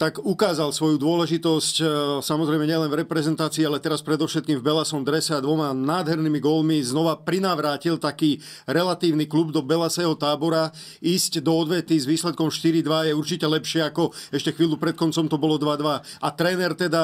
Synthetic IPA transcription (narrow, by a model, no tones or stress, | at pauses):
t̪aɡukaːzalsʋɔjud̪ʊɔlɛʒit̪ɔscsamɔzɾɛɪmɛɲɪɛlɛnvɾɛpɾɛzɛnt̪aːt͡siːalɛt̪ɛɾaspɾɛd̪ɔʃɛt̪̚kiːmvbɛlasɔmd̪ɾɛsɛad̪ʋɔmanaːd̪ɦɛɾniːmiɡɔlmiznɔʋapɾinaʋɾaːcilt̪akiː | ɾɛlat̪iːʊniklubd̪ɔbɛlasɛɦɔt̪aːbɔɾa | iːscd̪ɔɔd̪ʋɛt̪izʋiːslɛt̪̚kɔmʃt̪iɾid̪ʋajɛuɾt͡ʃicɛlɛpʃɪɛakɔɛʃcɛxʋiːlupɾɛt̪̚kɔnt͡sɔmt̪ɔbɔlɔd̪ʋad̪ʋaat̪ɾɛːnɛɾt̪ɛd̪a